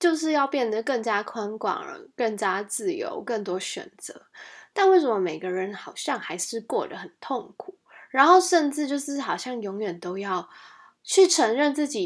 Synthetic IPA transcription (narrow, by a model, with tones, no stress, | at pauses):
t͡ɕjo˥˧ʊʂ̬ɻ̩˥˧jɑ˥˧ʊpjɛ˥˩nd̪ə˩kə˥˩ŋt͡ɕja˥kʰwa˥nkwɑ̰˨˩ŋə̰˧˦kə˥˩ŋt͡ɕja˥t͡sɹ̩˥˩jo̰˧˥ʊkə˥˩ŋt̪wɔ˥ɕɥɛ̰˨˩nt͡sə̰˧˦t̪a˥˧nwe˥˩ɪʂwə˧˦mə˧me˨˩ɪɡə˦ɻə˧˦nxɑ˨˩ʊɕjɑ˥˧ŋxa˧˥ɪʂɻ̩˥˧kwɔ˥˩d̪ə̰˩xə˨˩nt̪ʰo˥˩ŋkʰu˨˩˦ɻa˧˥nxo˥˧ʊʂə˥˧nʈ͡ʂɻ̩˥˧t͡ɕjo˥˧ʊʂɻ̩˥˩xɑ˨˩ʊɕjɑ˥˩ŋjɔ˧˥ŋjɥɛ˨˩nt̪o˥ʊjɑ˥˩ʊ | t͡ɕʰy˥˩ʈ͡ʂʰə˧˥ŋɻə˥˧nt͡sɹ̩˥˩t͡ɕi˨˩